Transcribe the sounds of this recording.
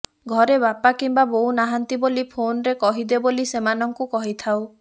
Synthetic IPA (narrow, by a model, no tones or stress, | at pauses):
ɡʱɔɾeβapakimbabounaɦant̪ibolipʰonɾekɔɦid̪ebolisemanɔŋkukɔɦit̪ʰaw